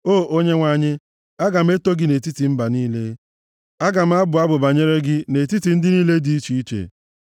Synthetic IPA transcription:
oː˦˨ʔo˦ɲe˦ŋʷa˨ɲɪ˦ | a˦ɡa˨m̩˦e˦to˦ɡɪ˦ne˨ti˦ti˨m̩˦ba˨niː˦le˦ | a˦ɡa˨m̩˦a˦bʊ˨a˦bʊ˨ba˨ɲe˦ɾe˦ɡɪ˦ne˨ti˦ti˨n̩˦dɪ˦niː˦le˦di˦i˦t͡ʃi˨i˦t͡ʃḛ˨

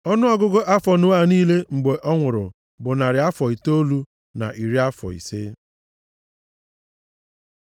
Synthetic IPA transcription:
ɔ˦nʊ˦ɔ˦ɡʊ˦ɡo˦ʔa˦fɔ˨nʊ˦a˦˨niː˦le˦ŋ͡m̩˨ɡ͡be˨ʔɔ˦ŋʷʊ˨ɾʊ̰˨ | bʊ˨na˨ɾɪ˨a˦fɔ˨i˨to˦lu˦ | na̰˨ʔi˨ɾi˦a˦fɔ̰˨ḭ˨se˦

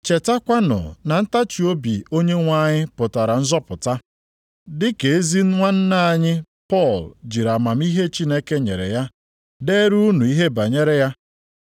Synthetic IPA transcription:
t͡ʃe˨ta˦kʷa˦nʊ̰˨na˨n̩˦ta˦t͡ʃi˨o˦bi˨o˦ɲe˦ŋʷa˦ɲɪ˦pʊ˨ta˨ɾa˨n̩˦zɔ˦pʊ˨ta˦ | dɪ˦ke˨e˦zi˦n̩˦ŋʷa˦n̩˦na˦a˨ɲɪ˦ | pɔ˦˨ld͡ʒi˨ɾa˨ma˨m̩˦i˦ɦe˦t͡ʃi˦ne˦ke˦ɲḛ˨ɾḛ˨ja˦ | de˦ɾu˦nu˨i˦ɦe˦ba˨ɲe˦ɾe˦ja˦

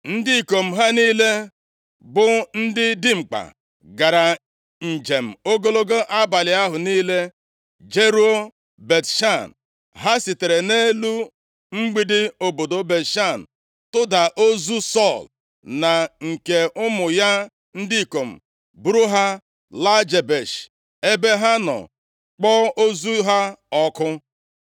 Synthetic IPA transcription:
n̩˦dɪ˦i˨ko˨m̩˨ɦa˦niː˦le˦ | bʊ˦n̩˦dɪ˦dɪ˦ŋ͡m̩˨k͡pa̰˨ | ɡa˨ɾa˨ | n̩˨d͡ʒe˨m̩˨o˦ɡo˦lo˦ɡo˦ʔa˦ba˨lɪ˨a˦ɦʊ˨niː˦le˦ | d͡ʒe˦ɾu˦o˦ | be˨tʃa˦˨n̩˨ | ɦa˦si˨te˨ɾe˨ne˦lu˦ | ŋ͡m̩˦ɡ͡bi˦dɪ˦o˨bo˨do˨be˨tʃa˦˨n̩˨ | tʊ˦da˨ʔo˦zu˦sɔ˦˨l | na˨ŋ̩˨ke˨ʊ˦mʊ˨ja˦ | n̩˦di˦i˨ko˨m̩˨ | bu˦ɾu˦ɦa˦ | la˦d͡ʒe˨be˨ʃ | e˦be˦ɦa˦nɔ̰˨ | k͡pɔ˦o˦zu˦ɦa˦ɔ˦kʊ˦

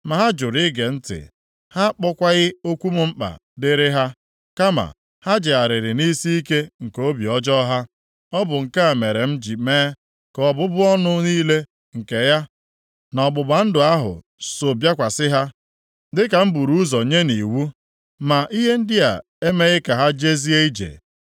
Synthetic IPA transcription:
ma˨ɦa˦d͡ʒʊ˨ɾɪ˦ɡe˨n̩˦tɪ̰˨ | ha˦k͡pɔ˦kʷa˦ɣɪ˦o˦kʷu˦m˦m̩˦k͡pa̰˨dɪ˦ɾɪ˦ɦa˦ | ka˦ma̰˨ | ha˦d͡ʒɪ˨a˨ɾɪ˨ɾɪ˨ni˦si˦i˦ke˦ŋ̩˨ko˦bi˨ɔ˦d͡ʒɔ˦ɦa˦ | ɔ˦bʊ˨ŋ̩˨ka˦a˨me˨ɾe˨m̩˦d͡ʒi˨meː˦ | kɔ˨bʊ˦bʊ˦ɔ˦nʊ˦niː˦le˦ | ŋ̩˨ke˨ja˦ | nɔ˨bʊ˨ba˨n̩˦dʊ˨a˦ɦʊ̰˨ | so˨bja˦kʷa˨sɪ˦ɦa˦ | dɪ˦ka˨m̩˦bu˨ɾu˦zɔ˨ɲe˦ni˨wu˦ | ma˨ʔi˦ɦe˦n̩˦dɪ˦a̰˨ | e˦me˦ɣɪ˦ka˨ɦa˦d͡ʒe˦zi˦e˦i˦d͡ʒḛ˨

